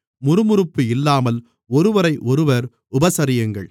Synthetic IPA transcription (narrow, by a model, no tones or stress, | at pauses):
mʊɾɯmʊɾɯpːɯɪlːaːmɐl | ɔɾɯʋɐɾɐɪʔɔɾɯʋɐɾ | ʊbɐsɐɾɪjɐŋɡɐ̰ɭ